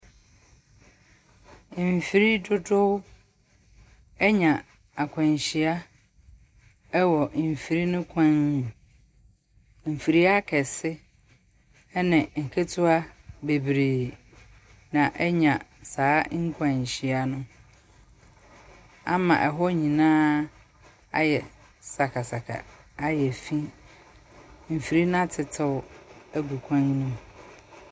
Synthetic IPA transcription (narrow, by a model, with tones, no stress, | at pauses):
fi˦ɾi˦tʰʊ˦tʰʊ˦ | ɛ˦ɲã˨ | a˨kʷʰã˨ɲ˨ɕi˨a˦ | ɛ˦wɔ˨m̩˨fi˨ɾi˦nʊ̃˦kʷʰã˦n˨ | m̩˨fi˨ɾi˦a˦kʰɛ˨sɪ˦ | nɪ̃˨ŋ̩˨kʰe˦tʰʊ˦a˦be˨bɾeː˨ | nã˨ʔɛ˦ɲã˨saː˨˦ŋ̩˦kʰã˨ɲ̩˨ɕi˦a˦nʊ̃˦ | a˦mã̰˨ʔɛ˨ɦɔ˦ɲĩ˨nãː˦ | a̰˦jɛ˨ | sa˨kʰa˨sa˨kʰa̰˨a˦jɛ˨fĩ˦ | m̩˨fi˨ɾi˦nã˦tʰɪ˨tʰɪ˨wæ˦ɡu˨kʷʰã˦ŋnũ˦m